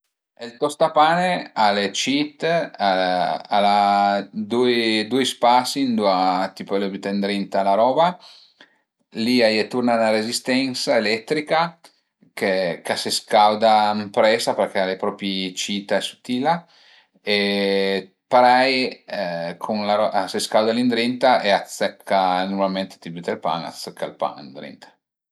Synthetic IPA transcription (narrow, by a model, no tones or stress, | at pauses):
elt̪ɔst̪apaːnealet͡ʃit̪ːaala | d̪uid̪ujspasind̪uat̪ipolobit̪end̪ɾint̪alaɾɔːba | liajɛt̪urnanaɾezist̪ɛnsaelɛt̪ːɾika | kekaseskawd̪ampɾɛsaperk̟ealepɾɔːpit͡ʃit̪aɛsu̥t̪ːiːla | e | paɾɛj | kʰonlaɾɔaseskawd̪alind̪ɾint̪aeat̪sɛkʰːanoɾmalment̪e̥t̪ibit̪elpa̰ŋa̰t̪sɛkʰːa̰lpa̰ŋḭnd̪ɾḭnt̪ḁ